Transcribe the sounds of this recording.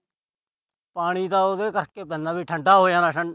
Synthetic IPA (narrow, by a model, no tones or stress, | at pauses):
paːɽ̃iːd̪aːod̪eːkəɾkeːpɛ̃ːnãːbiːʈʰəɳɖaːɦoːjãːnaːʃəɳ